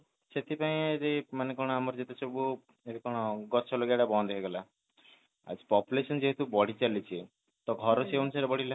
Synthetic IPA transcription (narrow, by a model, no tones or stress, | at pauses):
set̪ʰipaĩd͡ʒemanekɔɽ̃ɔamɔɾd͡ʒet̪et͡ʃʰɔbu | ebikɔɽ̃ɔɡɔt͡ʃʰɔloɡaɽabɔ̃nd̪ɔkeɡɔla | a̰d͡ʒi̥pɔpulesɔnd͡ʒeɦet̪ubɔɽ̤it͡ʃalit͡ʃʰi | t̪ɔɡʱɔɾɔseonusaɾebɔɽila